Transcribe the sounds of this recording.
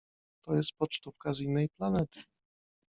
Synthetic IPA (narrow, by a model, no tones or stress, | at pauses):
t̪ɔjɛst̪̚pɔt͡ʂt̪ufkazinːɛjplanɛt̪ʰɘ̥